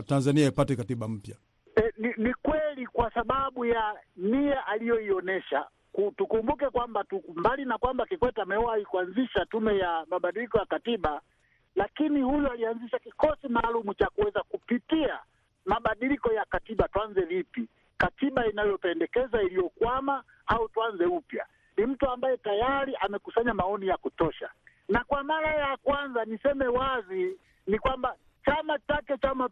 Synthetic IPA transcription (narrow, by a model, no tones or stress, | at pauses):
tanzaniaipatɛkatiɓam̩pja | ɛninikwɛlikwasaɓaɓujaniaʔalijɔiɔnɛʃa̰ | kutukumbukɛkwambatumbalinakwambakikwɛtamɛwaikuanziʃatumɛjamaɓaɗilikɔjakatiɓa | lakinihujualianziʃakikɔsimaːlumut͡ʃakuwɛzakupitia | maɓaɗilikɔjakatiɓatuanzɛvipi | katiɓainajɔpɛndɛkɛzailijɔkwama | autuanzɛupja̰ | nim̩tuambajɛtajaɾiʔamɛkusaɲamaɔnijakutɔʃa | nakwamaɾajakwanzanisɛmɛwazi | nikwamba | t͡ʃamat͡ʃakɛt͡ʃama